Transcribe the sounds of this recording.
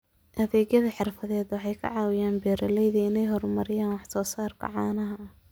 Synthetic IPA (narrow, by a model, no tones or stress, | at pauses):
ʔɐðɛːɣjɐðɐħɪrfɐðɛːd̪wɑħɑjkʰɐ̰ʕɑːwɪjaːnbɛːɾɐlɛjðɐɪnɛjɦɔrmɐɾɪjaːnwɑħsɔːsaːrkʰɐ̰ʕɑːnɐɦɐ